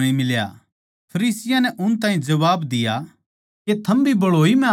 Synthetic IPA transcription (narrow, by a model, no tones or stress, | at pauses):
ĩmɪlja̰ | pʰɐɾiːsɪjãnɛʔʊnt̪ãːĩd͡ʒɐʋaːbd̪ɪja | ket̪ʰɐmbʱibɐɽoːimɛ̃